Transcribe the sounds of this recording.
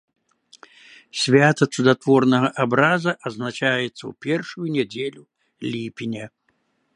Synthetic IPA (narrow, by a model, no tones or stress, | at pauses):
sʲvʲat̪ɐt̪sud̪at̪vɔrnɐɣɐʔabɾazɐʔɐznat͡ʃajɛt̪sːɐ̰wpʲɛrʂujunʲɛd͡zʲelʲu | lʲipʲinʲɛ